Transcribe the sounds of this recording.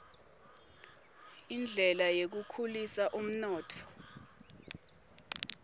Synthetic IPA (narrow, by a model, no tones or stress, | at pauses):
ind͡ɮʱɛlajek̬ukʰulisaʔum̩nɔːtʰɔ̥